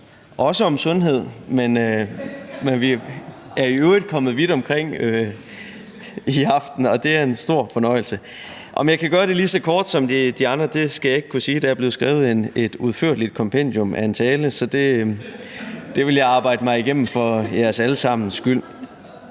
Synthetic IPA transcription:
ʔɒ̽səɒ̽msɔ̽nɦe̝ð̞̰ˠmenø | menʋi | æɐiød̥̚kʰɒ̽mð̞̩ˠʋid̥ɒ̽mkʰʁeŋ̰ø | iɑ̈fd̥n̩ɒ̽d̥e̝æɐe̝nsd̥o̝ɐ̰fɒ̽nɒ̽ɪ̰l̩sə | ʔɒ̽mjɑ̈ɪkʰæɡ̥ɶɐɾ̥e̝liːsɒ̽kʰɒːd̥sɒ̽mdd̥iɑ̈nd̥ʁɐd̥e̝sɡ̥æjɑ̈e̝ɡ̥ə̥kʰusiːd̥ææɐb̥le̝ːʊsɡ̥ʁɛ̰ːʊð̞̩ˠene̝d̥uðˠføɐ̰d̥lid̥̚kʰɒ̽mpʰen̰d̥jɔ̽mæe̝nt͡sʰɛːləsɒ̽d̥e̝ | d̥e̝ʋe̝ljɑ̈ɪɑ̈ːb̥ɑ̈ɪ̰d̥əmɑ̈ɪiɡ̥em̰m̩fɒ̽jæɐsæləsɑ̈m̰n̩sɡ̥yl̰

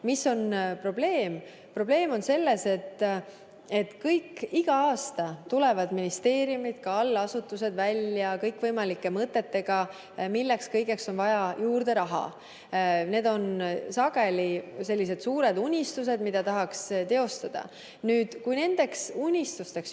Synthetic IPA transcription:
miso̞npro̞b̥le̞ːm | pro̞b̥le̞ːmo̞nse̞lːe̞se̞t̪ː | e̞t̪ːkɤjkːiɡ̥ɑɑːst̪ɑt̪ule̞vɑd̪minist̪e̞ːɾijumid̪̥kɑɑlːɑsut̪ːˑuse̞d̪vælʲjɑkɤjkvɤjmɑlikːˑe̞mɤt̪ːe̞t̪ːe̞ɡ̥ɑ | milːe̞kskɤjɡe̞kso̞nvɑjɑjuːrd̪̥e̞ɾɑɦɑ̰ | ne̞ːd̪o̞nsɑɡe̞lise̞lʲːis̬e̞d̪̥suːɾe̞d̪unʲist̪us̬e̞d̪mid̪̥ɑt̪ɑɦɑkst̪e̞o̞st̪ɑd̪̥ɑ̰ | nyːd̪̥kujne̞nd̪̥e̞ksunʲist̪ust̪e̞ks

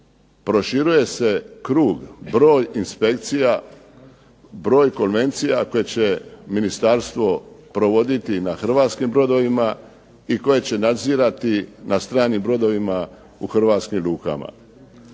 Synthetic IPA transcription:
pɾo̞ʃiɾuje̞se̞kɾuːɡbɾo̞ːjinspe̞kt̪sija | bɾo̞ːjko̞nʋe̞nt̪sijako̞je̞t͡ɕe̞minist̪aɾst̪ʋo̞pɾo̞ʋo̞d̪it̪inaxr̩ʋaːt̪skimbɾo̞d̪o̞ʋima | iko̞je̞t͡ɕe̞nad̪ziːɾat̪inast̪ɾaːnimbɾo̞d̪o̞ʋima | uxr̩ʋaːt̪skimɾuːka̰ma̰

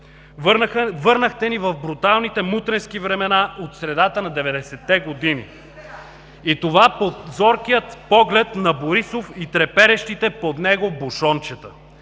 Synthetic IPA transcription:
vɤɾnəxt̪ɛnivɐvbɾut̪alˠnit̪ɛmut̪ɾɛnskivɾɛmɛnaʔot̪sɾɛd̪at̪ənɐd̪ɛvɛd̪ɛsɛt̪ːɛɡod̪inḭ | it̪ovapot̪zɔɾkijət̪pɔɡlɛt̪nɐboɾisofit̪ɾɛpɛɾɛʃt̪it̪ɛpod̪nɛɡoboʃɔnt͡ʃɛt̪ə

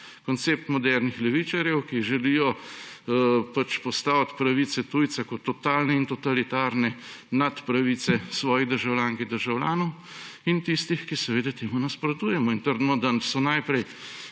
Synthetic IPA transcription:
kɔnt̪seːp̚t̪mɔd̪ɛɾnixlɛʋiːt͡ʃaɾjɛwkiʒɛlijɔ | pat͡ʃpɔst̪aːwt̪pɾaʋiːt̪sɛt̪ujt̪sakɔt̪ːɔt̪aːlnɛint̪ɔt̪alit̪aːɾnɛnat̪pɾaʋit̪sɛsʋɔːjid̪əɾʒawlʲjaːŋkid̪əɾʒawlʲjaːnɔw | int̪ist̪ixkisɛʋeːd̪at̪eːmunaspɾot̪uːjɛmɔint̪əɾd̪nɔd̪asɔnajpɾɛj

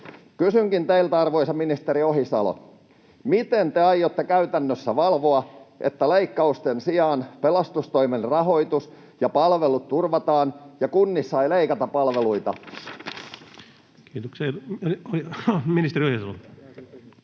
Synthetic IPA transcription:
kysyŋkint̪eilt̪ɑrʋo̞isɑminist̪eɾio̞hisɑ̰lo̰ | mit̪ent̪eɑjːot̪ːekæyt̪ænːøsːæʋɑlʋo̞ɑʔḛt̪ːæleikːɑust̪ensiɑːnpelɑst̪ust̪oimenrɑɦo̞it̪us | jɑpɑlʋelut̪turʋɑt̪ɑːnjɑkunːisːɑileikɑt̪ɑpɑlʋeluit̪ɑ̰ | kiːt̪okseolioliminist̪eriohjisɑlo

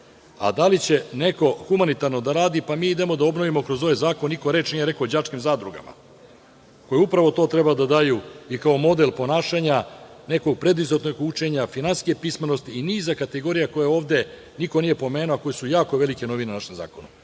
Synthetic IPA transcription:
a̰d̪alit͡ɕe̞ne̞ko̞xumanit̪aɾno̞d̪aɾaːd̪ipamiːid̪e̞mo̞d̪ao̞bno̞ʋimo̞kɾozo̞ʋajzaːkonːiko̞ɾe̞ːt͡ʃnijeɾe̞kod͡ʑat͡ʂkimzaːd̪ɾuɡa̰ma̰ | ko̞jeupɾaʋo̞t̪o̞ːt̪ɾe̞bad̪ad̪ajuikaomo̞d̪elpo̞naːʃaɲane̞koɡ̚pɾe̞d̪ʋizot̪noɡut͡ʃe̞ɲafinanskiepismenost̪iiniːzakat̪eɡo̞ɾijako̞jeo̞ːʋd̪e̞ | nikonije̞po̞meːnuoko̞jesujaːko̞ʋe̞like̞no̞ʋinenaʃemza̰ːkona

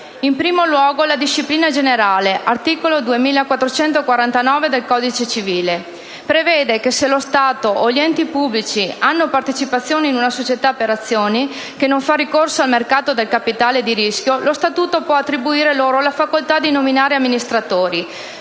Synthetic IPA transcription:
impɾiːmolwɔːɡolad̪iʃːipliːnad͡ʒeneɾaːleʔart̪iːkolod̪uemiːlakwat̪ːɾot͡ʃɛnt̪okwaɾant̪anɔːved̪elkɔd̪it͡ʃet͡ʃiviːle | pɾevɛːd̪ekeselost̪aːt̪oʔːʎiɛnt̪ipubːlit͡ʃianːopart̪et͡ʃipat̪sːjoːneinunasot͡ʃet̪apeɾat̪sːjoːni | kenoɱfarikorsoalmerkaːt̪od̪elkapit̪aːled̪iɾisk̟jolost̪at̪uːt̪opwɔat̪ːɾibuiːɾeloːɾolafakolt̪ad̪inominaːɾeamːinist̪ɾat̪oːɾi

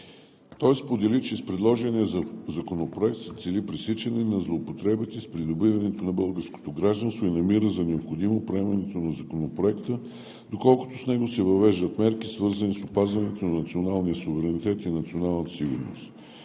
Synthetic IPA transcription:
t̪ɔjspod̪ɛlit͡ʃɛspɾɛd̪lˠɔʒɛniəzzɐkonopɾoɛk̚t̪sɛt̪sɛlipɾisit͡ʃɛninɐzlˠoːpot̪ɾɛbət̪ispɾid̪obivɐnɛt̪onɐbɤlˠɡəɾsko̥t̪oɡɾaʒd̪ɐnst̪voinɐmiɾəzɐnɛopxod̪imopɾoɛmɐnɛt̪onɐzɐkonopɾoɛkt̪ə | d̪okɔlˠkʊ̥t̪osnɛɡosɛvɐvɛʒd̪ət̪mɛɾkisvɤɾzənisopazvɐnɛt̪onɐnɐt̪sionalˠnijəsuvɛɾɛnit̪ɛt̪inɐt̪sionalˠnət̪ə̥siɡʊɾno̰st̪

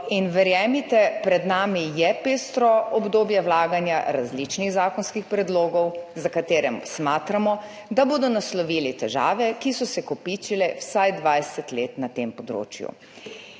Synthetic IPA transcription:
inʋɛɾjɛːmit̪ɛpɾɛd̪naːmijɛpeːst̪ɾɔɔbd̪oːbjɛwlaːɡanjaɾazlit͡ʃniɣzaːkɔnskixpɾɛd̪loːɡɔwzakat̪eːɾɛmsmaːt̪ɾamɔ | d̪aboːd̪ɔnaslɔʋiːlɛt̪ɛʒa̰ːʋɛkisɔsɛkɔpiːt͡ʃilɛwsajd̪ʋajsɛt̪leːt̪nat̪eːmpɔd̪ɾo̰ːt͡ʃjṵ

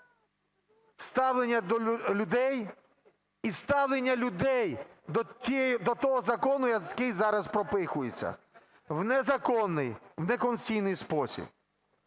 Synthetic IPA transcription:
st̪ɑwlenʲːɐlʲʊd̪ɛj | ist̪ɑwlˠenʲːɐlʲʊd̪ɛj̪ʲ | id̪ɔt̪ɔɦɔzɐkɔnʊjɐkɪjzɑɾɐzpɾɔpɪxʊjet͡sʲːɐ̰ | wnɛzɐkɔnːɪjwnɛkɔnt͡sʲijnɪjspɔsʲḭb̚

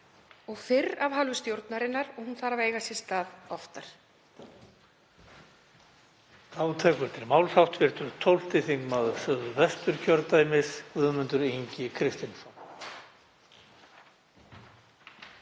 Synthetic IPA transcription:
ɔɣfɪɾavɦalvʏst̪jowɾt̪naɾɪnːaɾɔɣhunθaːɾaveːjɣasjɪ̥st̪aːðɔft̪aɾ̥ | aːwt̪ʰɛːkʏɾ̥t̪ʰɪɾmaːwlsawht̪vɪɾ̥t̪ʏɾt̪ʰowl̥t̪ɪθiŋkmaðʏsœɣðʏvɛst̪ʏɾcʰɔɾt̪ajmɪsvʏðmʏnt̪ʏɾeɲcɪkʰɾɪst̪ɪnsɔn

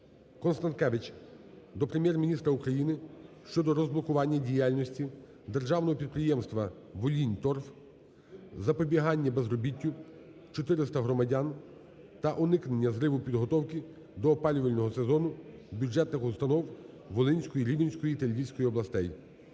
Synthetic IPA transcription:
kɔnst̪ɐnt̪kɛʋɪt͡ʃ | d̪ɔpɾemʲjɛrmʲinʲist̪ɾɐukɾɐjinɪʃt͡ʃɔd̪ɔɾɔzblˠɔkʊʋɑnʲːɐdʲijalʲnʲɔsʲtʲi | d̪e̞rʒɑwnɔɦɔpʲid̪̚pɾɪjɛmst̪ʋɐ | ʋɔlʲinʲt̪ɔrf | zɐpɔbʲiɦɑnʲːɐbezrɔbʲitʲːʊ | t͡ʃɔt̪ɪɾɪst̪ɐɦɾɔmɐdʲan | t̪ɐʔɔnɪknenʲːɐzɾɪʋʊpʲid̪ɦɔt̪ɔwkɪ | d̪ɔːpɑlʲʊʋɐlʲnɔɦɔsezɔnʊbʲjud͡ʒɛt̪nɪxʊst̪ɐnɔw | ʋɔlˠɪnʲsʲkɔjiɾʲiʋʲinʲsʲkɔjit̪elʲʋʲisʲkɔjiɔblˠɐst̪ɛj

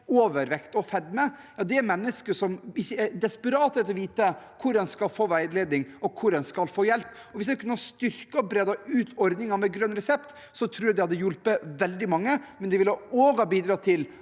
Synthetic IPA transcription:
oːʋəɾʋɛkt̪ɔfɛd̪mɛjɑːd̪ɛæɾmɛnːəskəʂɔmɪçːəæɾd̪ɛspəɾɑːt̪ɛt̪ɔʋiːt̪əkʰʊɾɛnskɑlfoːʋæɪleːd̪nɪŋɔkʰʊɾɛnskɑlfoːjɛlpː | ɔʋɪsd̪ɛkʰʉnːɑst̪ʏɾkɑbɾeːd̪ɑʉːt̪ʰɔɾd̪nɪŋɑmɛɡɾœnːɾɛsɛpt̪ | sɔt̪ʰɾuːjɑd̪ɛhɑd̪ːəjʊlpəʋɛld̪ɪmɑŋːəmɛnd̪ɛʋɪloːɡɑbiːd̪ɾɑːt̪ʰɪl

